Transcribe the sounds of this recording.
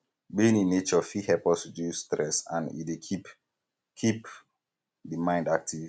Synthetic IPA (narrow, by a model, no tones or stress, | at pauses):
bĩnĩnːet͡ʃɔfihɛpɔsdustɹɛsã̰nḭdeip | kʰip | dimãɪ̃ndak̚tivv